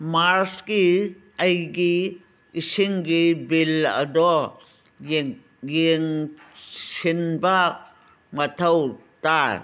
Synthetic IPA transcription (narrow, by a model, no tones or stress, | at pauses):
maɾski | ajɡi | isiŋɡibilɐ̰do | jiŋ | sinbak̚ | mɐt̪ʰawt̪a